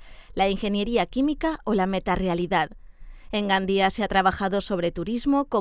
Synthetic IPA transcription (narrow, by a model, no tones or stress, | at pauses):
laiŋxe̞nje̞ɾiakimikao̞lame̞t̪are̞aliðaðe̞ŋɡand̪iaseat̪ɾaβ̞axaðo̞so̞β̞ɾe̞t̪uɾizmo̞ko